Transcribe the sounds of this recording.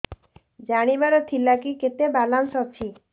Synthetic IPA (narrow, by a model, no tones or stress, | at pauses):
d͡ʒaɽ̃ibaɾɔt̪ʰilakiket̪ebalansɔt͡ʃʰi